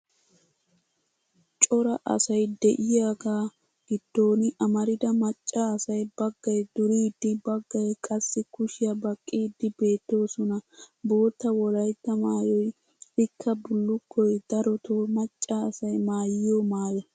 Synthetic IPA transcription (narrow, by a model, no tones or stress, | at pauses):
t͡ʃʼɔɾɐʔɐ̰sɐjd̪ɛʔɪjaːɡaː | ɡ̥ɪd̪̥ːo̞ːnɪʔɐmɐɾɪd̪ɐmɐt͡ʃʼːɐːsɐjbɐɡːɐjd̪ʊɾiːd̪ːɪbɐɡːɐjkʼɐsːɪkʊʃɪjɐbɐkʼːiːd̪ːɪbe̞ːt̪ːo̞ːsɔnɐbo̞ːt̪ːɐwɔlɐjt̪ːɐmaːjɔj | ɪkʰːɐbʊlːʊkʰːɔjd̪̥ɐɾɔt̪omɐt͡ʃʼːɐːsɐjmaːjɪjomaːjɐ